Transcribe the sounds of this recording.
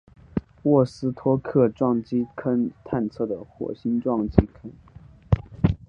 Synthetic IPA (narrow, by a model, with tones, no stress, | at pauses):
wɔ˥˩sɹ̩˥t̪ʰwɔ˥kʰɤ˥˧ʈ͡ʂwɑ˥˩ŋt͡ɕi˥kʰə˥nt̪ʰa˥˧nt͡sʰɤ˥˩d̪ə˩xwɔ̰˨˩ɕi˥nʈ͡ʂwɑ˥˩ŋt͡ɕi˥kʰə˥n